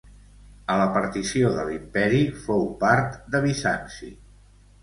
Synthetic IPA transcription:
ələpəɾt̪isioðəlimpɛɾifowpaɾt̪d̪əβ̞isansḭ

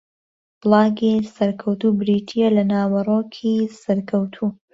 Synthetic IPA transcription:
b̥lˠɑːɡisɐɾkʰɐwt̪ubɾitʰijelɐnaːwɐroːkʰisɐɾkʰɐwt̪ʰuː

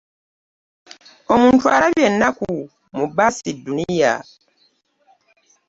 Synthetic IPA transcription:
o̞muːntuaɾaβjenːaku | mubasidːunija̰

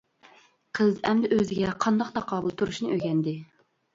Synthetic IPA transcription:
qʰəzɛmd̪ɪʔøzɪɡʲɛqʰɑnd̪ɑq̚t̪ʰɑqʰɑːbulˠt̪ʰuɾuʃnɨʔøɡʲɛnd̪ɪ

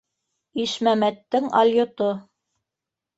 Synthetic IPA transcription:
iʃmæmæt̪ːɘŋɑ̰lʲjŏt̪o

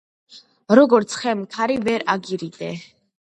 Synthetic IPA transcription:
ɾɔɡɔɾt̪sʰχɛmkʰaɾivɛɾaɡiɾid̪ɛ

